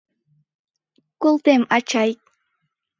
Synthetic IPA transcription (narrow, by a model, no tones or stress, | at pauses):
kʊlt̪emat͡ʃajk